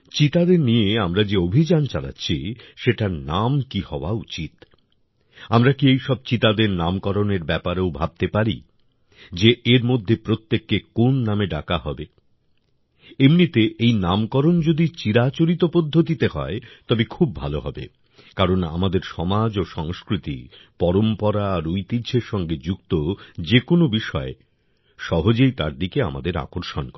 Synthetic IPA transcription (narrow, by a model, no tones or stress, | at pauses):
t͡ɕit̪ad̪eɾnijeamɾad͡ʑeobʱid͡ʑant͡ɕala̰tːɕʰiʃeʈaɾnamkihɔoa̰ut͡ɕit̪ | amɾakiejʃɔb̚t͡ɕit̪ad̪eɾnamkɔɾoneɾbɛpaɾewbʱab̚t̪epaɾḭ | d͡ʑeʔeɾmod̪ʱːepɾot̪ːekːekonːameɖa̰kaɦɔbe | emnit̪eʔejnamkɔɾond͡ʑod̪it͡ɕiɾat͡ɕoɾit̪opod̪ʱːot̪it̪eɦɔ̰et̪ɔbekʰub̚ːʱaloɦɔbḛ | kaɾona̰mad̪eɾʃɔmad͡ʑoʃɔŋskɾit̪ḭ | pɔɾompɔɾaːɾujt̪idd͡ʑʰeɾʃɔŋɡed͡ʑuɡt̪od͡ʑekonobiʃɔe | ʃɔɦod͡ʑejt̪aɾd̪ikea̰ma̰d̪eɾa̰koɾʃonkɔ